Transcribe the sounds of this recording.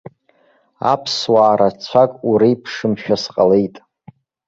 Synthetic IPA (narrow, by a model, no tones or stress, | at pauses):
a̰pʰswaːɾat͡sʷʰakʼuɾejpʰʂɨmʃᶣasqʼale̞jtʼ